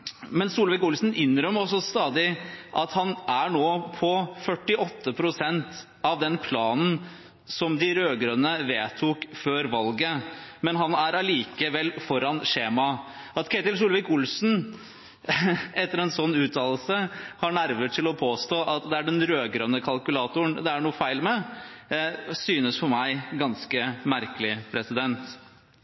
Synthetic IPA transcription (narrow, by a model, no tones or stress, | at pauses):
mɛnsuːlʋɪkʊlsn̩ʔʏnːɾœmɔsɔst̪ɑːd̪ɪʔɑt̪hɑnæɳoːpʰɔfœʈːɪʔɔt̪ːəpʰɾʊsɛnt̪ | ɑʋd̪ɛnpʰlɑːnn̩ | sɔmd̪ɪɾøːɡɾœnəʋeːt̪ʰukføːɾʋɑlɡəmɛnɦɑnæɾɑliːkəʋɛlːfɔɾɑnʂeːmɑ | ʔɑt̪kʰæɪt̪ɪls̬uːlʋɪkʊlsn̩ | ɛt̪ːəɾɛnsɔnːʉːt̪ʰɑːl̩səhɑɳæɾʋəʈʰɪlɔpʰoːst̪oːʔɑt̪d̪ɛæɖɛnɾøːɡɾœnːəkʰɑlkʉlɑːt̪ʊənd̪ɛæɳuːəfæɪlmɛ | syːnəsfɔɾmæɪɡɑnskəmæɾkəlɪpʰɾɛsɪd̪ɛnt̪